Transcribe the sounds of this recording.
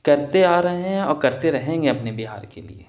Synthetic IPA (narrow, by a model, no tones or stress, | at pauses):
kɐɾt̪eaːɾɐɦeɦɛ̃ɔːɾkɐɾt̪eɾɐɦẽːŋɡeɐpnebiɦa̰ːɾkḛlḭḛː